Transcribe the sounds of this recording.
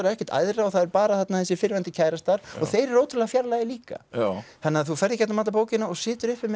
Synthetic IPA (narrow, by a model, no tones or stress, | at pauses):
ɾɛhcɛ̥ɾ̥t̪a̰jðɾaɔθaðɛɾpaːɾaθat̪naθɛsːɪfɪɾvɛnt̪ɪcʰaːjɾast̪aɾ̥ɔɣθejɾɛɾoːwt̪ʰʏɾlɛɣafjaɾlajɪliːka̰θanːɪaθufɛɾðɪcɛt̪namaːt̪ap̬oːwcɪnaɔɣsɪːt̪ʏɾɪhpːvɪɾm